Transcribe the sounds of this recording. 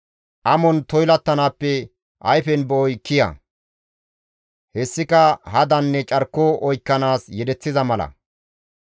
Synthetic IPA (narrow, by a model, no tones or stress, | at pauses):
ʔɐmɔnt̪ɔjlɐt̪ːɐnaːpːɛ | ʔɐjfɛnbɔːjkːɪjɐ̰ | hɛsːɪkɐhɐd̪ɐnːɛt͡ʃʼɐɾkːoːʔɔjkːɐnaːsjɛd̪ɛt͡sːɪzɐmɐlɐ̰